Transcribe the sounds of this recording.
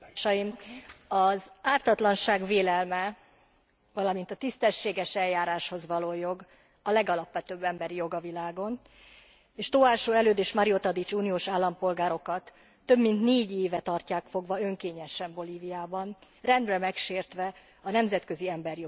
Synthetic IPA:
ʃɒjimɒzaːrt̪ɒt̪lɒnʃaːɡveːlɛlmɛ | vɒlɒmint̪ɒt̪ist̪ɛʃːeːɡɛʃɛljaːɾaːʃho̞zʋɒloːjo̞ɡ | ɒlɛɡɒlɒpʋɛt̪øːbːɛmbɛɾijo̞ɡɒvilaːɡo̞n | eːʃt̪oaːʃoːɛløːd̪eːʃmɒɾiot̪ɒd̪it͡ʃuːnijoːʃaːlːɒmpo̞lɡaːɾo̞kɒt̪ː | ø̞bmint̪neːɟeːvɛt̪ɒrcaːkfo̞ɡʋɒø̞ŋkeːɲɛʃɛmbo̞liːvijaːbɒn | rɛnd̪rɛmɛkʃeːrt̪ʋɛ | ɒnɛmzɛt̪kø̞ziɛmbɛrjo

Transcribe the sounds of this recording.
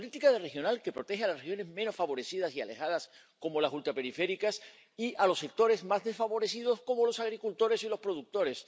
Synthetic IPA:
olit̪ikaðere̞xjo̞nalke̞pɾo̞t̪e̞xealasrexjo̞ne̞zmeno̞sfaβo̞ɾe̞θið̞asia̰le̞̰xað̞as | ko̞molasult̪ɾape̞ɾife̞ɾikas | iʔalo̞sːe̞k̚t̪o̞ɾe̞zmazðe̞sfaβo̞ɾe̞sið̞o̞sko̞mo̞lo̞saɣ̞ɾikult̪o̞ɾe̞silo̞spɾo̞ðuk̚t̪o̞ɾe̞s

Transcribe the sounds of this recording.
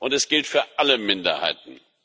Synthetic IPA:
ʔʊntɛsɡ̥ɪltfyːɐʔaləmɪndɐ̰ha̰ɪt̚n̩

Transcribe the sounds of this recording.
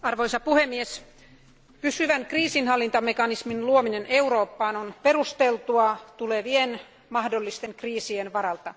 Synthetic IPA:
ɑrʋojsɑpuhemːies | pysyʋænkriːsinhɑlːint̪ɑmekɑnisminluomineneuɾo̞ːpːɑːnonpe̞rust̪elt̪uɑt̪uleʋien | mɑhdolːist̪eŋkriːsienʋɑɾɑlt̪ɑ

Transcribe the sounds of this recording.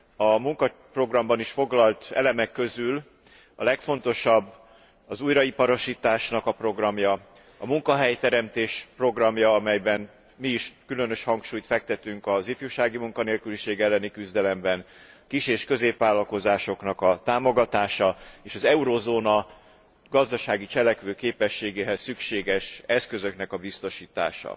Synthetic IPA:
ɒmuŋkɒpro̞ɡrɒmbɒniʃfo̞ɡlɒlt̪ɛ̰lɛmɛkːø̞zyl | ɒ̰lɛkfo̞n̪t̪o̞ʃɒbː | ɒzuːjɾɒipɒɾo̞ʃiːt̪aːʃnɒkɒpro̞ɡrɒmjɒ | ɒmuŋkɒɦɛjt̪ɛɾɛmt̪eːʃpro̞ɡrɒmjɒɒmɛjbɛn | miːʃkylø̞n̪ø̞ʃhɒŋkʃuːjt̪fɛk̚t̪ɛt̪yŋkɒzifjuʃaːɡimuŋkɒneːlkyliʃeːɡɛlːɛnikyzd̪ɛlɛmbɛn | kiʃeːʃkø̞zeːpʋaːlːɒlko̞zaːʃo̞knɒkɒt̪aːmo̞ɡɒt̪aːʃɒeːʃɒzɛuɾoːzoːnɒ | ɡɒzd̪ɒʃaːɡit͡ʃɛlɛkʋøːkeːpɛʃːeːɡeːɦɛsːykʃeːɡɛʃɛskø̞zø̞kn̪ɛkɒbist̪o̞ʃiːt̪a̰ːʃɒ̰

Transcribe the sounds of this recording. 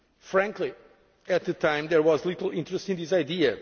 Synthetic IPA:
fɾæ̃ŋkli | ɨt̪̚ðɨtʰãɪ̃mðɛɹwɔzlˠitl̩ˠĩntɾəstĩnd̪isaɪdiɨ

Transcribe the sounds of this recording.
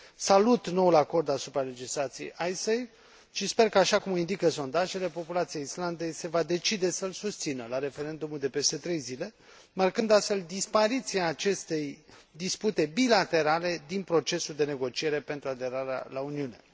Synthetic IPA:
salut̪no̞ulako̞rd̪asupɾale̞d͡ʒislat̪sijejʔajsejv | ʃispe̞rkəaʃakumoind̪ikəso̞nd̪aʒe̞le̞po̞pulat̪sijeisland̪e̞jse̞vad̪e̞t͡ʃid̪e̞səlsust̪sinəlaɾe̞fe̞ɾe̞nd̪umuld̪e̞pe̞st̪e̞t̪ɾe̞jzile̞ | markɨnd̪ast̪fe̞ld̪ispaɾit̪siaːt͡ʃe̞st̪e̞jd̪isput̪e̞bilat̪e̞ɾale̞d̪inpɾo̞t͡ʃe̞suld̪e̞ne̞ɡo̞t͡ʃie̞ɾe̞pe̞nt̪ɾuad̪e̞ɾaɾea̰launiune̞̰

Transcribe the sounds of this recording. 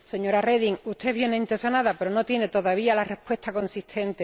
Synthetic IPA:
se̞ɲo̞ɾare̞ðiŋut̪e̞βje̞neint̪esonaðape̞ɾo̞no̞t̪je̞ne̞t̪o̞ðaβialare̞pwe̞st̪ako̞nsit̪ʰẽ̞nt̪e

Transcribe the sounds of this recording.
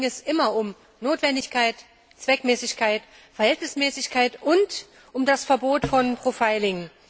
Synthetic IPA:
ɛsʔɪmɐʔʊm | noːtv̥ɛndɪçkʰaɪt | t͡sv̥ɛkmɛːsɪçkʰaɪt | fɛɐhɛltnɪsmɛːsɪçkʰaɪtʔʊnt | ʔʊmdasfɛɐboːtfɔnpʁ̥ofaɪlɪŋ

